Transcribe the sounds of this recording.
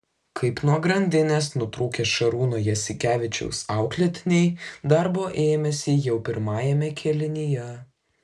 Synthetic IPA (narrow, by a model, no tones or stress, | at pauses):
kʰɐɪpnuɔɡɾɐnʲd̪ʲɪnʲeːsnʊt̪ɾuːkʲeːsʃɐɾuːnoːjɛsʲɪkʲæːʋʲɪt͡ʃʲɛ̰ʊsɑˑʊklʲɛt̪ʲɪnʲɛɪd̪ɐɾboːʔeːmʲɛsʲɪjɛʊpʲɪɾmɑːjɛmʲɛkʲʰɛlʲɪnʲɪjɛ